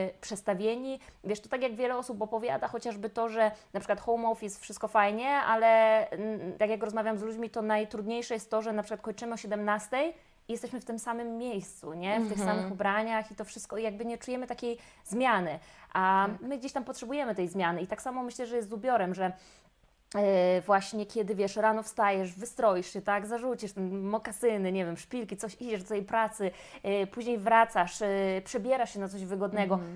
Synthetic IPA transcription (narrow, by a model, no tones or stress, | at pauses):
pʂɛt̪st̪avʲjeɲivʲɛʂt̪ɔt̪akʲjaɡvʲjɛlɛɔsupɔpɔvʲja̰d̪axɔt͡ɕaʐbɘt̪ɔʐɛnapʂɘkwat̪xɔwmɔfjɛst̪fʂɘst̪kɔfajɲɛalɛ | t̪akjakɾɔzmavʲjamzlud͡ʑmʲit̪ɔnajt̪ɾud̪ɲejʂɛjɛst̪ːɔʐɛnapʂɘ̥kwat̪kɔɲt͡ʂɘmɘɔɕɛd̪ɛmnast̪ɛj | ijɛst̪ɛɕmɘft̪ɘmsamɘmːʲjejst̪sṵɲɛftt̪ɘxsamɘxubɾaɲaxit̪ɔfʂɘst̪kɔijaɡ̚bɘɲɛt͡ʂujɛmɘt̪akʲej | zmʲjanɘʔamɘɡd͡ʑeɕt̪ampɔtʂɛbujɛmɘt̪ɛjzmʲjanɘit̪aksamɔmɘɕlɛʐɛjɛst̪zubʲjɔɾɛmʐɛ | vwaɕɲɛkʲɛd̪ɘvʲjɛʂɾanɔfst̪ajɛʂvɘst̪ɾɔjiʂɕɛt̪aɡzaʐut͡ɕiʂt̪ɛnmɔkasɘnɘɲɛvʲjɛmʂpʲilkʲit̪sɔɕid͡ʑɛʐd̪ɔt̪ɛjpɾat̪sɘpuʑɲejvɾat̪saʂpʂɛbʲjɛɾaʂɕɛnat̪sɔʑvɘɡɔd̪nɛɡɔ